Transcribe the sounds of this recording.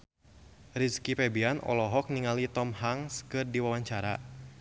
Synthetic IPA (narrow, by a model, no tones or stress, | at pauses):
riskipɛbianʔɔ̰lɔɦɔk̚niŋalit̪ɔmɦaŋskɨrdiwawaɲt͡ʃaɾa